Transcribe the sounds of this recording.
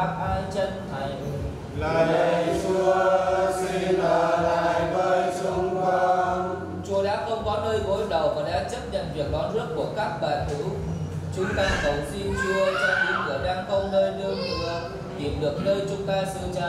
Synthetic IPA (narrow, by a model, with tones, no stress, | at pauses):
p̚ʔaː˧jt͡ɕə˧nt̪ʰa˨˩j | laː˨˩ə˧˨˩t͡ɕu˧əsi˧a˨˩laː˨˩˨jvə˧jsʊ˧ŋ͡mka˧ | t͡ɕu˧˩əɗaː˦˥p̚xə˧wŋ͡mkɔ˨˦nəː˧jɣo˨˦jɗə˨˩wvaː˨˩ɗa̰ː˧˥t͡ɕə˦˥p̚ɲə̰˧˨nvi˨˩ək̚ɗɔ˨˦nzɨ˦˥ət̚ku˧˩əkaː˦˥k̚ɓaː˨˩nt̪ʰɨ˨˦ | t͡ɕʊ˨˦ŋ͡mt̪aː˧ŋsə˨˦wŋ͡msi˧nt͡ɕɨ˧t͡ɕaː˧i˨˦nkɨ˧˩əɗaː˧ŋxə˧wŋ͡mnəː˧jnɨ˧ə˧tɨ˧˩ə | t̪i˧˩mɗɨ˨˩ək̚nəː˧jt͡ɕʊ˨˦ŋ͡mt̪aː˧sɨ˧əzaː˧